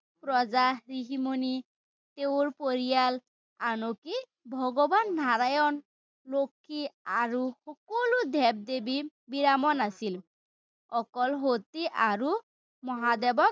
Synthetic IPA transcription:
pɹɔzaɹiɦimoni | t̪eʊɹpoɹijal | anoki | bʱɔɡɔbanːaɹajɔn | lokʰːiaɹuxɔkɔlud̪ʱɛb̚d̪ebi | biɹamɔnasil | ɔkɔlɦot̪iʔaɹu | mɔɦad̪ɛbɔk

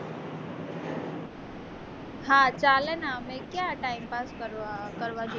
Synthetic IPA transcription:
hãːt͡ʃaːlənamẽkjaʈaːɪmpaːskəɾkəɾʋad͡ʒ

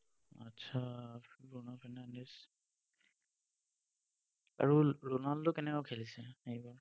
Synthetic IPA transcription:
atːsʰaɡɹonafʰɛnandes | a̰ɹuɹonaltʊkɛnɛkɔkʰelisɛejbaɹ

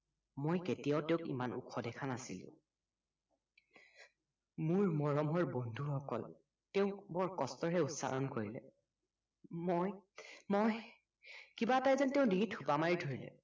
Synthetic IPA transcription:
mojketijaʊteʊ̃kḭmanṵkʰɔdɛkʰanasḭlʊ̰̃ | mʊɹmɔɹɔmɦɔɹbondʱuxɔkɔ̰l | teʊ̃bɔɹkɔstɔɹɛutsa̰ɹɔnkoɹilɛ̰ | mojmoj | kibatajzanteʊ̃diŋitʰupamaɹidʰʱoɹilɛ̰

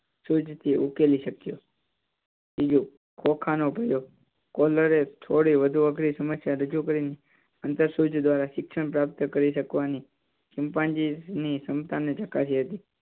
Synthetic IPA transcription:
sut͡ʃt̪ʰiʔukeliʃəkjo | bid͡ʒu | kʰokʰanopəjo | kɔləɾet̪ʰoɽiʋəd̪ʱuəkʰɾisəməsjaɾəd͡ʒukəɾine | ənt̪əɾsut͡ʃd̪ʋaɾaʃɪkʃəɳpɾap̚t̪əkəɾiʃəkʋani | ʃɪmpãnd͡ʒinisəmt̪anet͡ʃəkasiɦət̪i

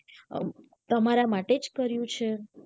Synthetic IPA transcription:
t̪əmaɾamaʈed͡ʒkəɾjũt͡ʃʰe

